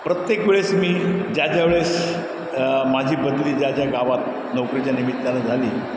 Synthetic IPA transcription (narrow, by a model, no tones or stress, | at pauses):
pɾət̪jekʋeɭesmiːd͡ʑad͡ʑjaʋeɭes | mad͡ʑʱiːbəd̪liːd͡ʑjad͡ʑjaɡaʋat̪̚ | nəwkɾit͡ɕjanimit̪ːalad͡zʱaliː